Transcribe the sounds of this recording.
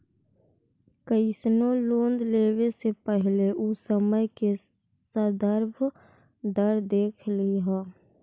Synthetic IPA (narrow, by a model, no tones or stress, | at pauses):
kəɪsnoloːnd̪leːwesepəɦleʔusəməjke | səd̪əɾbʱ | d̪əɾd̪eːkʰliɦɛː